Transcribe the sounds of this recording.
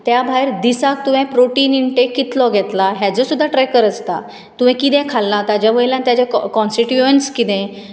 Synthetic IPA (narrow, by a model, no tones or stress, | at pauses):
t̪jabʱajɾd̪isak̚t̪uʋɛ̃pɾoʈiːniɳʈekːit̪lɔɡʱɛt̪laɦjad͡zɔsud̪ʱːaʈɾɛjkəɾət͡st̪a̰ | t̪uʋ̤ɛ̃kit̪ɛ̃kʰalːat̪jad͡ʑjaʋəɭiljãnt̪jat͡ɕakɔnsʈiʈjuənskit̪ɛ̃